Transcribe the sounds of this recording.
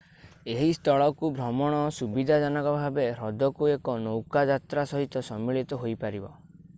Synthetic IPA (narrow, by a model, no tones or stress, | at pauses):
eɦist̪ʰɔɭɔkubʱɾɔmɔɽ̃ɔsubid̪ʱad͡ʒanɔkɔbʱabeɾɔd̪ɔkuekɔnowkad͡ʒat̪ɾasɔɦit̪ɔsɔmːiɭit̪ɔɦojpaɾibɔ̰